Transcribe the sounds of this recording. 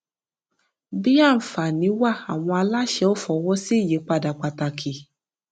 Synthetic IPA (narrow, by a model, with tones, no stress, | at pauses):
bi˦a˦˨n̩˨fa˨nĩ˨˦wa˦˨a˨w̃ɔ̃˧a˧la˦ʃɛ˧˦o˦fɔ˨˦wɔ˦si˦i˦˨je˨˦k͡pa˦˧˨da˨k͡pa˧ta˧kʰi˨